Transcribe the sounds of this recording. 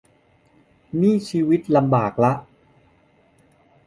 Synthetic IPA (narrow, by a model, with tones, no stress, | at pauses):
niː˥˩t͡ɕʰiː˧˥wi˦˥t̪̚la˧mbaː˨˩k̚la˦˥ʔ